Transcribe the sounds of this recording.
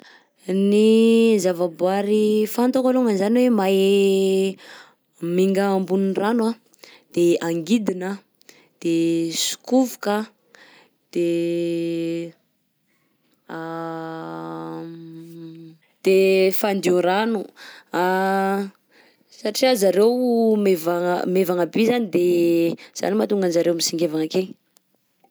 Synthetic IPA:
nizavabuaɾifant̪okaluŋənzaniwema | miŋɡaːmbuninranwa | d̪̥eaŋɡid̪inə | d̪̥esu̥kuvukə | d̪̥e | a | d̪̥efand̪iuɾanua | saʈ͡ʂiazaɾewmeva̰mevaŋabizanid̪ez̥a̰nimat̪uŋɡanzaɾewmisiŋɡevaŋake

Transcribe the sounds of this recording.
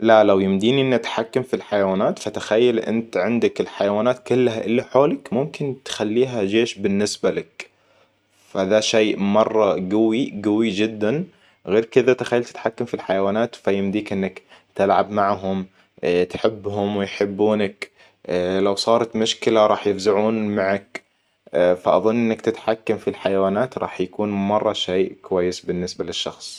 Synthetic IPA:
lalawjɪmd̪iːniʔɪnːʔt̪ħakːamfilħajawaːnaːt̪fat̪ɪxajːalʔɪ̰nt̪ʕɪnd̪akɪlħajawaːnaːt̪kʊlːɦaʔɪlːiħoːlɪkmʊmkɪnt̪xalːiːɦad͡ʒeːʃbɪnːɪsbalɪk | faðaʃeːmɑrˤːɑɡʊwiɡawid͡ʒɪd̪ːan | ɣeːɾkɪðat̪ɪxajːalt̪ɪ̥t̪ħakːamfilħajawaːnaːt̪fajɪmd̪iːkʔɪnːakt̪ɪlʕa̰bmaʕɦʊm | t̪ħɪbːɦʊmwɪjħɪbːuːnak | lawsˤɑːɾˤɑt̪mʊʃkɪlaɾˤɑːħjɪfzaʕuːnmaʕak | faʔɑðˤʊnːʔɪnːakt̪ɪt̪ħakːamfilħajawaːnaːt̪ɾˤɑ̰ːħjakuːnmɑrˤːɑʃeːʔkwajːɪsbɪnːɪsbalɪʃːɑxsˤ

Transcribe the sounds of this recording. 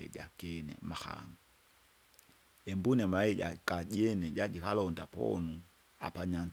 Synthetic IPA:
ɛ̰d͡ʒakɛnɛ̰maxa̰ŋu | ɛmbunɛmaɛɟa̰kad͡ʒɛnɛɟad͡ʒikalɔndapɔ̰nu | a̰paɲan

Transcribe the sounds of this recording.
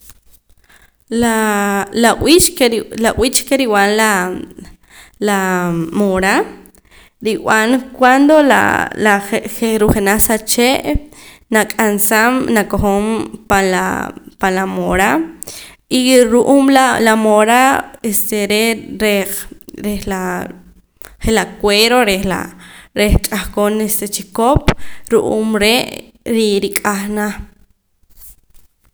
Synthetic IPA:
lalaʔwit͡ʃkelaʔwiːt͡ʃkeɾiwanla | lamoɾa | ɾiw̰ankwand̪ola̰laeeɾuχenasat͡ʃeʔ | nakʼansamnakoχompanla̰panlamoɾa | iɾuʔuːmlalamoɾaest̪eɾeɾeɾehla | χelakweɾoɾehla̰ɾeht͡ʃʼaxkonest̪et͡ʃikopɾuʔṵːmɾeʔ | ɾiɾikʼaχna

